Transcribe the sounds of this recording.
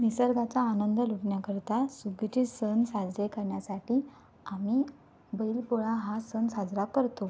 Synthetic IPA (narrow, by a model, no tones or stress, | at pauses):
nisəɾɡat͡saːnənd̪əluʈɳjakəɾt̪asuɡit͡ɕesənsad͡zɾekəɾɳjasaʈiː | ami | bəilpuɭaɦasənsad͡zɾakəɾt̪o